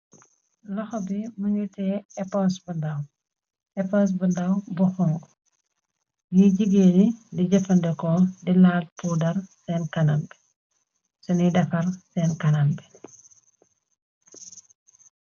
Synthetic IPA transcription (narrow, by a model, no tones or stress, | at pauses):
lɐxɔbimuɲutɛɛpɔnsbudɐw | ɛpɔns̬bundawbuxɔŋɡ | jiɟiɡenidiɟɐfɐndɛkɔdilaːlpudɐrsɛːnkɐnɐmbɛ | sunidɐfɐrsɛːnkɐnɐmbɛ